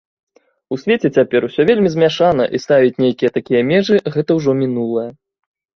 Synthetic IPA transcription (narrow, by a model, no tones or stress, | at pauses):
usʲvʲet͡sʲɛt͡sʲapʲɛɾuwsʲɔvʲelʲmʲizʲmʲaʂanɐ̰ʔist̪avʲit͡sʲnʲejkʲijɐt̪akʲijɐmʲɛʐɨɣɛt̪ɐwʐɔmʲinulˠɐjɐ